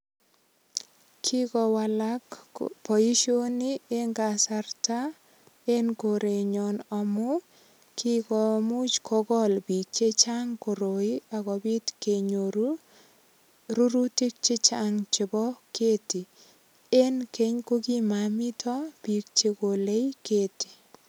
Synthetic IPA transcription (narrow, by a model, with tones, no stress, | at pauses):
kʰi˦kɔ˨wa˨lakpɔ˨i˦ʃo˦ni˦e˦ŋɡasa˨rta˦ | e˦nko˨ɾe˨ɲɔ˨nɔ˨mʊ˦ | kʰi˦kɔ˨mu˦t͡ʃkʰɔ˦ɡɔ˦lbi˨k̚t͡ʃe˦t͡ʃa˦ŋko˨ɾo˨i˦a˨ɣɔ˨bi˦tkeɲoɾu | ɾu˦ɾu˦ti˦k̚t͡ʃɪ˦t͡ʃaŋt͡ʃɪ˨bɔ˦kʰeː˦ti˨ | e˦nke˦ɲko˦ki˦ma˨mi˦tʰɔ˦pi˨k̚t͡ʃe˧ko˨le˦jkeː˦ti̥˨